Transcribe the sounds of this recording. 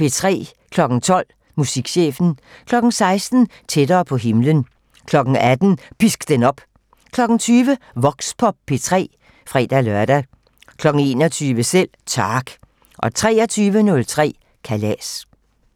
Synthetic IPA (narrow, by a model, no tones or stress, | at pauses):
pe̝t͡sʰʁɛ̰ː | kʰlɒ̽ɡ̥n̩t͡sʰɒ̽l̰ | musiɡ̥ɕḛːfn̩kʰlɒ̽ɡ̥n̩sɑ̈ɪsd̥n̩t͡sʰed̥ɐːpʰɒ̽ɦe̝mlən | kʰlɒ̽ɡ̥n̩æd̥n̩b̥isɡ̥d̥enɒ̽b̥ | kʰlɒ̽ɡ̥ŋ̩t͡sʰyːʋə | ʋɒ̽ɡ̥spʰɒ̽b̥̚pʰe̝t͡sʰʁɛ̰ː | fʁɛ̰ːd̥ælɶɐd̥æ | kʰlɒ̽ɡ̥n̩e̝ːnɒt͡sʰyːʋəsel̰t͡sʰɑːɡ̥ | ʔɒ̽t͡sʰʁɛ̰ːɒt͡sʰyːʋənɔ̽lt͡sʰʁɛ̰ː | kʰælæs